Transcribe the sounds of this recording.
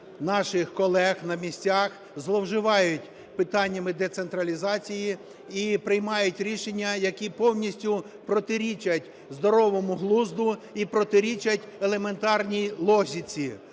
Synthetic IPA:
nɑʃɪxkɔlˠɛxnɐmʲisʲt͡sʲax | zlˠɔwʒɪʋɑjʊtʲ | pɪt̪ɑnʲːɐmɪd̪et̪se̞nt̪ɾɐlʲizɑt͡sʲiji | ipɾɪjmɑjʊtʲɾʲiʃenʲːɐjɐkʲipɔwnʲisʲtʲʊ | pɾɔt̪ɪɾʲit͡ʃɐtʲ | zd̪ɔɾɔʋɔmʊɦlˠuzd̪ʊipɾɔt̪ɪɾʲit͡ʃɐtʲelˠe̞me̞nt̪ɑrnʲilˠɔzʲit͡sʲi

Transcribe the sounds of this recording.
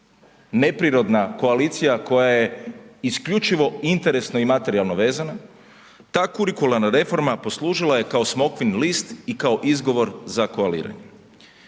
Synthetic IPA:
ne̞pɾiɾo̞d̪nako̞aliːt̪sijako̞jaje̞iskʎut͡ʃiʋo̞int̪e̞ɾe̞snoimat̪e̞ɾialˠno̞ʋe̞ːzana | t̪aːkuɾikulaɾnaɾe̞fo̞ɾmapo̞slˠuːʒilaje̞kaosmo̞kʋinlist̪ikao̞ʔizɡo̞ʋo̞ɾzakoalḭːɾa̰ɲe

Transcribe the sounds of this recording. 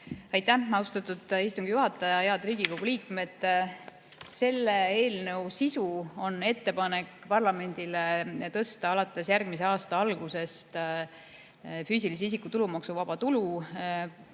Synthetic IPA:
ɑjt̪ːæmɑwst̪ɑt̪ːˑud̪̥ist̪uŋɡ̥ijuɦɑt̪ːˑɑjɑjeɑd̪̥riːɡ̥iko̞ɡ̥uliːkˑme̞d̪̥ | se̞lːe̞e̞ːlnɤwsisuo̞nːe̞t̪ːe̞pɑne̞kːˑpɑrlɑme̞nʲd̪̥ilet̪ɤ̞st̪ɑɑlɑt̪ːˑe̞sjærɡ̥̚mis̬e̞ɑːst̪ɑɑlɡ̥use̞st̪ | fyːsilis̬eis̬ikut̪ulumɑksuvɑb̥ɑt̪ulu

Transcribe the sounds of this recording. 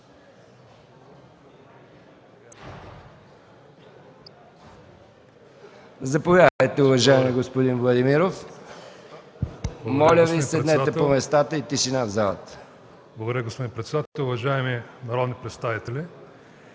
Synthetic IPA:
zɐpovjad̪əjt̪ɛʊvɐʒaɛmiɡospod̪invlˠɐd̪imiɾof | mɔlʲəvisɛd̪nɛt̪ɛpomɛst̪at̪əit̪iʃinavzalˠə̰t̪ə̥ | blˠɐɡod̪ɾəɡospod̪inpɾɛt̪sɛd̪at̪ɛlʲʊvɐʒaɛminɐɾɔd̪nipɾɛt̪st̪avit̪ɛlʲi

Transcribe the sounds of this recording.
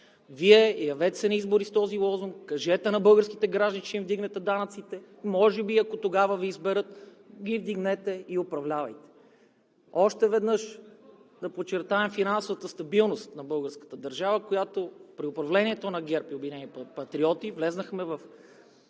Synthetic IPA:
viɛjɐvɛt̪ɛsɛnizboɾist̪ɔzilˠɔzuŋkːɐʒɛt̪ɛnɐbɤlˠɡəɾskit̪ɛɡɾaʒd̪nit͡ʃɛimvd̪iɡnɛt̪ɛd̪anɐt̪sit̪ɛ | mɔʒɛbiɐkot̪oɡavəviːzbɛɾɤt̪ | ɡʲivd̪iɡnɛt̪ɛiopɾɐvlʲavɐjt̪ɛ̥ | ɔʃt̪ɛvɛd̪nɤʃ | d̪ɐpot͡ʃːɛɾt̪aɛmfinansʊvət̪əst̪ɐbilˠnost̪nɐbɤlˠɡəɾskə̥t̪əd̪ɐɾʒavəkojat̪opɾiʊpɾɐvlɛnʲiɛt̪onɐɡʲɛɾpiobinɛnipɐt̪ɾiɔt̪ivlɛznəxmɛvɐf

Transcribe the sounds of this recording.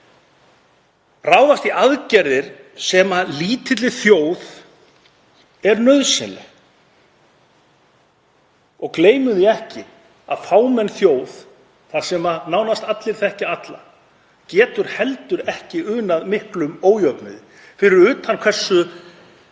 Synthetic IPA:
raːwðast̪iaðcɛɾðɪɾ̥sɛmaliːt̪ɪt̪lɪθjoːwð | ɛɾnœðsɪnlɛ̰ | ɔɣkleːjmʏðɪɛhcɪ | a̰ðfaːwmɛnːθjoːwð | θaɾ̥sɛmanaːwnast̪at̪lɪɾ̥θɛhcɪat̪la̰ | cɛːt̪ʏɾ̥hɛlt̪ʏɾɛhcɪʏːnaðmɪhklʏmoːwjœpnɪ̰ð | fɪɾɪɾʏːt̪hanːkʰvɛ̥sːʏ

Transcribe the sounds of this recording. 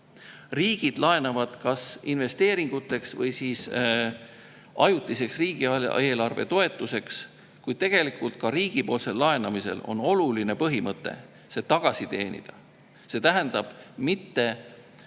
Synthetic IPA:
riːɡ̥id̪̥lɑe̞nɑvɑd̪̥kɑsinve̞st̪e̞ːɾiŋɡ̥ut̪ːˑe̞ksvɤjsiːs | ʔɑjut̪ːˑise̞ksriːɡ̥iɑeːlɑrve̞̰t̪o̞e̞t̪ːˑuse̞ks | kujd̪̥̚t̪e̞ɡ̥e̞likˑult̪̚kɑɾiːɡ̥ipo̞ːlse̞lːɑe̞nɑmise̞̰lo̞̰no̞luline̞pɤɦimɤt̪ːˑe̞̰ | se̞ːt̪ɑɡ̥ɑsit̪e̞̰ːnḭd̪̥ɑ | se̞ːt̪æɦænd̪̥ɑb̥mit̪ːe̞

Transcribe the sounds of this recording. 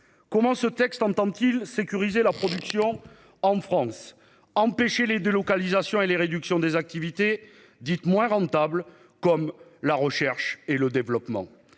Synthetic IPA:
kɔmɑ̃sət̪ɛkst̪ɑ̃t̪ɑ̃t̪ilsekʲyʁizelapχɔd̪yksjɔ̃ | ɑ̃fχɑ̃s | ɑ̃peʃeled̪elɔkalizasjɔ̃eleʁed̪yksjɔ̃d̪ezak̚t̪ivit̪e | d̪it̪mwɛ̃ʁɑ̃t̪abl | kɔmlaʁəʃɛʁʃeləd̪evlɔpmɑ̰̃

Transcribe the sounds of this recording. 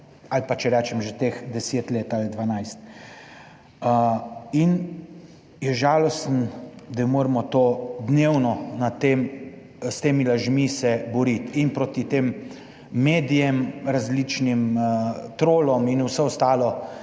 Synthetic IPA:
alpat͡ʃɛɾɛt͡ʃɛmʒet̪eːxd̪ɛseːt̪leːt̪alid̪ʋanajst̪̚ | əin | jɛʒaːlɔst̪n̩d̪amoːɾmɔt̪oːd̪newnɔnat̪eːm | st̪eːmilaʒmisɛbɔɾit̪inpɾoːt̪it̪eːmː | eːd̪ijɛmɾazlit͡ʃnimt̪ɾoːlɔminusɛɔst̪aːlɔ

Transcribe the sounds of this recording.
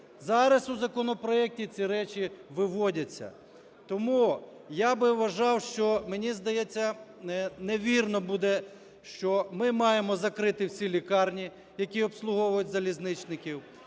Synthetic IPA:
zɑɾɐsʊzɐkɔnɔpɾɔɛk̚tʲit͡sʲiɾɛt͡ʃʲiʋɪʋɔdʲɐt͡sʲːɐ̰ | t̪ɔmu | jabɪʋɐʒɑwʃt͡ʃɔmenʲizd̪ɐjɛt͡sʲːɐ | neʋʲirnɔbud̪ɛ | ʃt͡ʃɔmɪmɑjemɔzɐkɾɪt̪ɪwsʲilʲikɑrnʲi | jɐkʲiɔpslˠʊɦɔwʊjʊtʲzɐlʲiznɪt͡ʃnɪkʲiw

